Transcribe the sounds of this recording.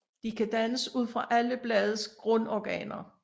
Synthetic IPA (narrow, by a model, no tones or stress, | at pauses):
d̥ikʰæd̥ænəsuð̞̰ˠfʁɑ̈ʔæləb̥lɛːð̞ˠsɡ̥ʁɔ̽nɒɡ̥ɛ̰ːnɐ